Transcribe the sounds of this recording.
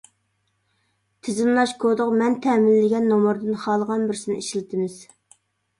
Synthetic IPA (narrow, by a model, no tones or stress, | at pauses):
t̪ʰɪzɪmlˠɑʃkʰod̪ʊqmɛnt̪ʰɛmɪlːɪɡʲɛnːomʊɾd̪ɨnχɑlˠəʁɑnbɪɾsɪnɪ̰ʔiʃilɪt̪ʰɪmɪz̥